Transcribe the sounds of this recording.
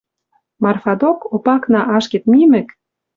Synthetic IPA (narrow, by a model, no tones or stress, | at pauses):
mɑrfɑd̪okopɑknɑʔɑʃket̪mimɘ̆k